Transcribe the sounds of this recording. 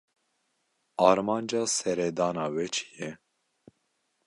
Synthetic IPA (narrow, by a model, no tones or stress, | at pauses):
ɑːɾmɑːnd͡ʒɑːsɛɾɛd̪ɑːnɑːwɛt͡ʃʰi̥jɛ